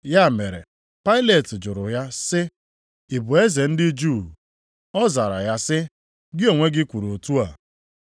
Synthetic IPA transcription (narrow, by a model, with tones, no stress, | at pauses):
ja˦˨me˨ɾḛ˨ | pa˦ɪ˦le˨tɪ˨d͡ʒʊ˨ɾʊ˨ja˦sɪ˦ | ɪ˨bʊ˨e˦ze˨n̩˦dɪ˦d͡ʒu˦˨ | ɔ˦za˨ɾa̰˨ja˦sɪ˦ | ɡɪ˦o˨ŋʷe˦ɡɪ˦kʷu˨ɾo˨tu˦a˨